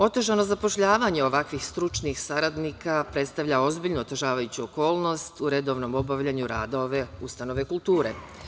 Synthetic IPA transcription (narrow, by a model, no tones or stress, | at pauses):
o̞t̪rʒano̞zapo̞ʃʎaːʋaɲe̞o̞ʋakʋixst̪ɾut͡ʃnixsaɾad̪nikʰapɾet̪st̪aʋʎao̞zbiʎnuot̪oʒaːʋajut͡ɕuoko̞ːlˠno̞st̪uɾe̞d̪o̞ʋno̞mo̞baʋʎaɲuɾaːd̪oʋe̞ust̪ano̞ʋekult̪uːɾḛ